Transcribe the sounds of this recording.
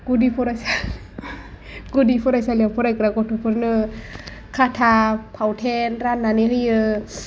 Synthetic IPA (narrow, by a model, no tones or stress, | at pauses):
ɡudipʰɔɾajsa | ɡudipʰɔɾajsaliaŋpʰɔɾajkɾakɔtʰopʰɯɾnɯ | kʰatʰapʰawtʰɛnɾanːaniɦɯjɯ